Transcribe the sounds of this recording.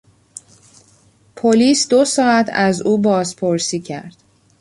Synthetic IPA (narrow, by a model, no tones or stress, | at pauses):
pʰoliːsd̪osɒːæt̪ʰæzuːbɒːzpʰoɾsiːcʰæ̰ɾd̪̥